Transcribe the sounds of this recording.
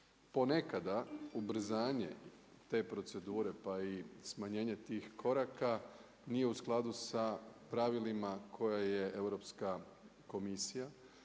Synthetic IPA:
po̞ne̞kad̪aubɾ̩zaːɲe̞̰ | t̪e̞ːpɾo̞t̪se̞d̪uːɾe̞paismaɲe̞ːɲe̞t̪iːxkʰo̞ɾaka | nije̞usklˠad̪usapɾaʋilimakʰo̞jaje̞e̞wɾo̞pska | ko̞misija

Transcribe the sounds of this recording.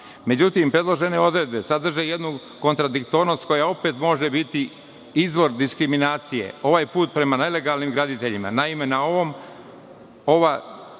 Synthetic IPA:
me̞d͡ʑut̪impɾe̞d̪lˠo̞ʒe̞ne̞o̞d̪ɾed̪̚be̞sad̪r̩ʒe̞je̞d̪nu | ko̞nt̪ɾad̪ik̚t̪o̞ɾno̞st̪̚ko̞jao̞pet̪mo̞ʒe̞bit̪i | izʋo̞ɾd̪iskɾiminaːt̪sije̞̰o̞ʋaːjpuːt̪̚pɾe̞manele̞ɡaːlnimɡɾad̪it̪e̞ʎima̰naime̞nao̞ʋo̞m | o̞ʋa

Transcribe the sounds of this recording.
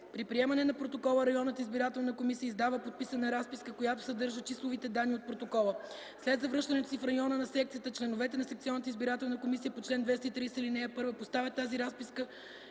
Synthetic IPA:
pɾipɾiɛmɐnɛnɐpɾot̪okɔlˠəɾɐjɔnət̪izbiɾat̪ɛlˠnəkomisijəizd̪avəpot̪̚pisənɐɾaspiskəkojat̪o̥sɐd̪ɤɾʒət͡ʃislˠovit̪ɛd̪anːiot̪̚pɾot̪okɔlˠə | slɛd̪zɐvɾɤʃt̪ɐnɛt̪o̥sifɾɐjɔnənɐsɛk̚t̪sijət̪ət͡ʃlɛnovɛt̪ɛnɐsɛk̚t̪sʲiɔnːət̪izbiɾat̪ɛlˠnɐkomisijəpot͡ʃlɛnd̪vɛst̪əit̪ɾislinɛjəpɤɾvəpost̪avʲət̪aziɾaspiskə

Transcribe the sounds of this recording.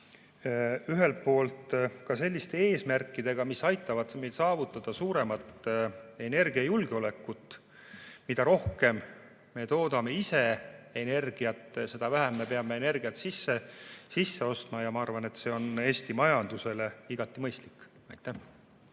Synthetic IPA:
yɦe̞lt̪̚po̞ːlt̪kɑse̞lʲːist̪e̞eːsmærkːˑid̪̥e̞ɡ̥ɑmisɑjt̪ːˑɑvɑd̪me̞jlsɑːvut̪ːˑɑd̪̥ɑsuːɾe̞mɑt̪ˑe̞ne̞rɡ̥iɑjulɡ̥eo̞le̞kːˑut̪ːˑ | mid̪̥ɑɾo̞hke̞m | me̞t̪o̞ːd̪̥ɑme̞ise̞ene̞rɡ̥iɑt̪ːˑse̞d̪̥ɑvæɦæmːe̞pe̞ɑme̞ene̞rɡ̥iɑt̪sisːe̞sisːe̞o̞st̪mɑjɑmɑɑrvɑne̞t̪se̞ːo̞ne̞ːst̪imɑjɑnd̪̥use̞le̞iɡ̥ɑt̪ːˑimɤjst̪likːˑ | ɑjt̪ːˑæh

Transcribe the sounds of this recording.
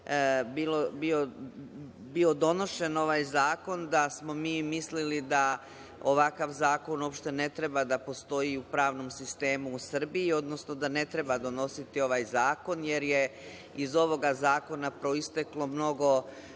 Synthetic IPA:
biːlobio | bio̞d̪o̞no̞ʃe̞no̞ʋaːjzaːko̞nd̪asmo̞miːmislilid̪a | oʋakaʋzaːko̞no̞ːpʃt̪e̞ne̞t̪ɾebad̪apo̞st̪o̞iupɾaːʋno̞msist̪e̞ːmuːsr̩biːo̞d̪no̞snod̪ane̞t̪ɾe̞bad̪o̞no̞sit̪io̞ʋaːjzaːko̞nje̞ɾje | izo̞ʋo̞ɡazaːko̞napɾoist̪eklˠo̞mno̞ɡo̞

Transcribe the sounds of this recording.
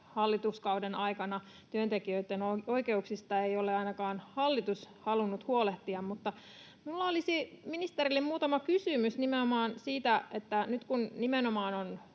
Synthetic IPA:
hɑlːit̪uskɑudenɑikɑnɑ | t̪yønt̪ekiøit̪ːenooikeuksist̪ɑeioleɑinɑkɑːnhɑlːit̪ushɑlunːut̪huoleht̪iɑmmut̪ːɑ | miulːɑolisiminist̪eɾilːimmuːt̪ɑmɑkysymysnimenomɑːnsiːt̪æʔet̪ːænyt̪kunnimenomɑːnon

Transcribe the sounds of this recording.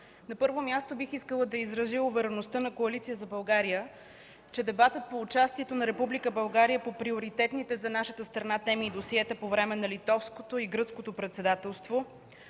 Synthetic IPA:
nɐpɤɾvomʲjast̪obixiskəlˠəd̪ɐizɾɐziʊvɛɾɛnost̪ənɐkoɐlit̪sijəzɐbɐlˠɡaɾijə | t͡ʃɛd̪ɛbat̪ət̪̚poːt͡ʃast̪iɛt̪onɐɾɛpublikəbɐlˠɡaɾijəpopɾioɾit̪ɛt̪nit̪ɛzɐnaʃət̪əst̪ɾɐnat̪ɛmiːd̪osiɛt̪əpovɾɛmɛnɐlit̪ɔfskot̪oiɡɾɤt̪skot̪opɾɛt̪sɛd̪at̪ɛlˠst̪vo

